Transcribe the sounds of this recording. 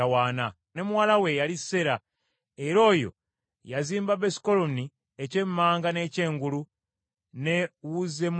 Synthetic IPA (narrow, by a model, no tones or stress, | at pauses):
awaːna | ne̞mwaːlawe̞jalise̞ɾa | eɾo̞ːjo̞̰ | jaziːmbabesi̥koloni | ece̞mːaːŋɡane̞ːce̞ːŋɡulu | newuze̞m